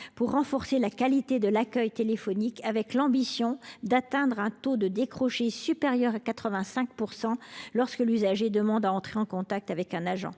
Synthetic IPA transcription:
puʁːɑ̃fɔʁselakalit̪ed̪əlakʲœjt̪elefɔnikavɛklɑ̃bisjɔ̃d̪at̪ɛ̃d̪ʁɛ̃t̪od̪əd̪ekχɔʃesypeʁjœʁakat̪χəvɛ̃sɛ̃k̚puʁsɑ̃lɔʁskəlyzaʒed̪əmɑ̃d̪aɑ̃t̪χeɑ̃kɔ̃t̪ak̚t̪avɛkɛ̃naʒɑ̰̃

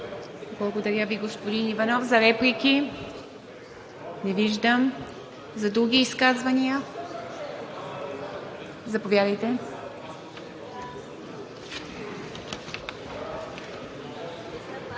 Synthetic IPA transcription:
blˠɐɡod̪ɐɾʲjəviɡospod̪inivɐnɔfzɐɾɛpliki | nɛviʒd̪əm | zɐd̪ɾuɡʲiːskazvɐniə | zɐpovjad̪əjt̪ɛ

